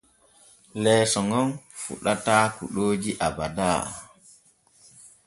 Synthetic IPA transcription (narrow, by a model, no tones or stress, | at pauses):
lɛːsɔŋɔnfṵɗataːkuɗoːd͡ʒiʔabadaː